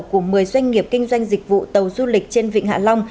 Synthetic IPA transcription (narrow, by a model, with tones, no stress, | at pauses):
wku˧˩əmɨ˨˩əjzwa˧jŋ̟ŋi˨˩əp̚kï˧ŋ̟zwa˧jŋ̟zï˨˩k̚vṵ˧˨t̪ə˨˩wzu˧lï˨˩k̟̚t͡ɕe˧nvḭ˧˨ŋ̟ha̰ː˧˨la˧wŋ͡m